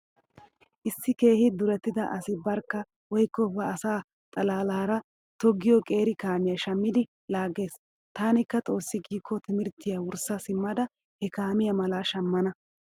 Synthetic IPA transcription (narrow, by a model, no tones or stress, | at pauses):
ʔɪsːɪke̞ːhɪd̪ʊɾɛt̪ːɪd̪ɐʔɐsɪbɐɾkːɐ | wɔjkːɔbɐːsaː | t̪ʼɐlaːlaːɾɐ | t̪ɔɡːɪjɔkʼe̞ːɾɪkaːmɪjɐʃɐmːɪd̪ɪ | laːɡe̞ːs | t̪aːnɪkːɐt͡sʼo̞ːsːɪɡiːkʰːɔt̪ɪmɪɾt̪ːɪjawʊɾsɐsɪmːɐd̪ɐ | hɛkaːmɪjɐmɐlaːʃɐmːɐnɐ